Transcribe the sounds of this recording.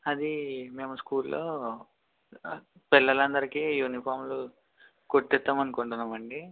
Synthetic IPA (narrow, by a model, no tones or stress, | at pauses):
ɐd̪ime̞ːmɐskuːlːoː | pilːɐlɐnd̪ɐɾikijuːnipʰaːɾmlu | koʈːɛt̪ːaːmɐnukuɳʈunːaːmɐɳɖi